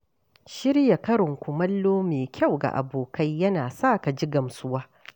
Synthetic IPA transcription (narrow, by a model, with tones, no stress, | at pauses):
ʃɪ˦ɽja˨kɐ˦ɽɪ˨ŋkʷʊ˨mɐ˦lːoː˦meː˨kʲɐ˦˨wɡa̰˨ʔa̰˨boː˨kɐ˦jːɐ˦naː˨sa˦˨ka˨d͡ʒi˦ɡɐ˨msʊ˦waː˦